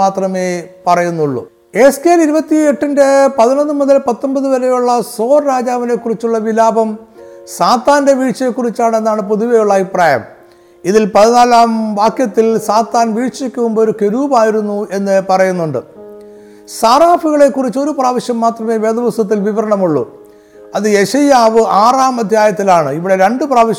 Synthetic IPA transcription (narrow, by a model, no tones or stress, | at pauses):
aːt̪rɐme̞ːpɐrɐjunːuɭːṵ | e̞skeːliɾubɐt̪ːieʈːɐndepɐðinonːɨmoðɐlpɐt̪ːombɐðɨʋɐɾe̞juɭːɐso̞ːrɾaːd͡ʑaːʋɐne̞kːurit͡ɕːuɭːɐʋilaːbɐmsaːt̪ːaːnde̞ʋiːʈɕɐjekːurit͡ɕːaːɳe̞nːaːɳɨpoðuʋejuɭːɐʋipraːjɐ̰m | iðilpɐðinaːlaːmʋaːkjɐt̪ːilsaːt̪ːaːnʋiːʈʂikʲːuʋumboɾuke̞ɾuːbaːjiɾunːue̞nːɨpɐrɐjunːuɳɖɨ | saːraːfuɣɐɭe̞kːurit͡ɕːo̞ɾupraːʋiɕjɐmːaːt̪rɐme̞ːʋed̪ɐʋɐsɐt̪̬ːilʋiʋɐɾɐɳɐmuɭːṵ | ɐðɨje̞ɕɐjaːʋɨaːraːmɐd̪ʱjaːjɐt̪ːilaːɳɨiʋiɽe̞ɾe̞ɳɖɨpraːʋiɕ